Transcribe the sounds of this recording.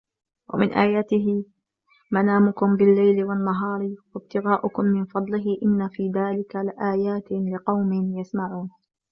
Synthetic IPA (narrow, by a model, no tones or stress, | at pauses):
wa̰mɪnʔaːjaːt̪ɪɦɪ | manaːmʊkʊmbɪlːajlɪwanːaɦɑːɾˤwab̚t̪ɪɣaːʔʊkʊmːɪnfɑd̪ˤlɪɦɪʔɪnːafiːðaːlɪkalɪʔaːjaːt̪ɪlɪqɑwmɪnjasmaʕuːn